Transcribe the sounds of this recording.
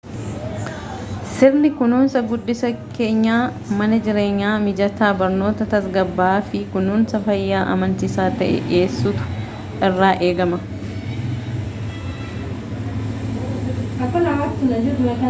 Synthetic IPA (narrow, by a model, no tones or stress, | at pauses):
sɪɾnɪkʊnuːnsɐɡʊdːɪsɐke̞ːɲːaː | mɐnɐd͡ʒɪɾe̞ːɲːaːmɪd͡ʒɐt̪aːbɐɾno̞ːt̪ɐt̪ɐsɡɐbːaːfɪkʊnuːnsɐfɐjːaːʔɐ̰mɐnt̪ɪsaːt̪ɐ̰ʔɛ̰ʔe̞ːsːuːt̪ʊ̥ | ɪrːaːʔe̞ːɡɐmɐ | ɐkːʊnɐat̪ːɪnɐd͡ʒɪɾnɐkɐ